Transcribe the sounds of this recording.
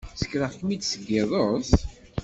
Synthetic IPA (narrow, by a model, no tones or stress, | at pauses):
sə̥kːɾəʁkmid̪səɡːɪðˤos